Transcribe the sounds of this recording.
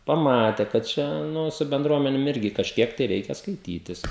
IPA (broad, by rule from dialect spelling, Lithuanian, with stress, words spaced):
pɐˈmɑːtʲɛ kɐt ˈt͡ʃʲɛ ˈnʊ sʊ bʲɛnˈdruɔmʲɛnʲeːm ˈɪrʲɡʲɪ kɐʃʲˈkʲiɛk tɐɪ ˈrʲɛɪkʲɛ skɐɪˈtʲiːtʲɪs